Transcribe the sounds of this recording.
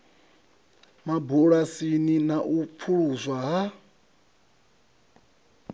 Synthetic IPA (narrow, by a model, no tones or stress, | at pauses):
mabuɺasininaʔup̪fʰuɺuzʷwaɦa